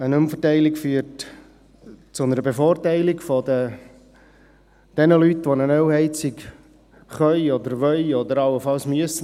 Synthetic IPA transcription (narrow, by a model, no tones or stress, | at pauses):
ənʊmfətæɪlikfyːət | t͡sʊnəɾəbefoːrtæɪlikfod̪ə | d̪̥ɛnəlyt̪ʋonənœwhɛɪt͡sik | χœʏɔd̪əɾʋœʏɔd̪əɾɑlːəfɑlsmyəsə